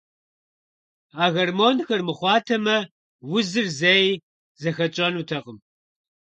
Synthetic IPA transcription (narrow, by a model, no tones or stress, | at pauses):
aːɣɐrmoːnxɐrmɨχʷɑːtʰɐmɐ | wʊzɨrzɐj | zɐxɐt͡ʃʼɐnutʰɐqəm